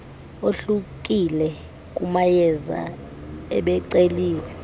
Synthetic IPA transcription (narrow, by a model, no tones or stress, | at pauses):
oɬuk̬ʼilɛ | k̬ʼumajɛza̰ | ɛ̰ɓɛǀeliːwɛ